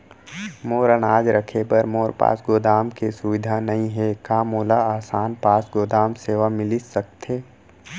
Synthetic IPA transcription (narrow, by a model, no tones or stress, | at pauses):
moːɾənaːd͡ʒɾəkʰebəɾmoːɾpa̰ːsɡoːd̪aːmkesʊʋɪd̪ʱanɐɦĩɦɛkaːmoːlaaːsaːnpaːsɡoːd̪aːmseːʋamɪlɪsɐk̚t̪ʰeː